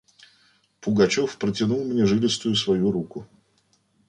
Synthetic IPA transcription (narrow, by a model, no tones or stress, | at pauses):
pʊɡɐt͡ɕo̞fpɾətʲɪnulˠmnʲeʐɨlʲɪst̪ʊjʊsvɐjuɾukʊ